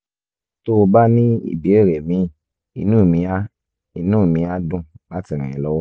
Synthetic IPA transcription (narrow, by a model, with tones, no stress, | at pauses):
to˦o˧ba˦nĩ˦ḭ˦˨bi˨˦e˦˨ɾɛ˨mĩ˧˦ | i˧nũ˦˨mĩ˧a˦ | i˧nũ˦˨mĩ˧˦a˦dũ˦˨la˦ti˧˨ɾ̃ĩ˨ĩ˧lɔ˦wɔ˦